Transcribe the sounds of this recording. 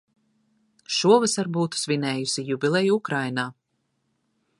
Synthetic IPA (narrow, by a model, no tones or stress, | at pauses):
ʃuɔvɨsaɾbuːt̪u̥svʲinɛːjusijubʲilˠɛjukɾajnaː